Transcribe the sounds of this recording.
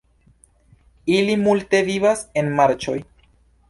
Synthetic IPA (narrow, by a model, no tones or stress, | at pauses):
ilimulte̞vivase̞nmaɾt͡ʃo̞j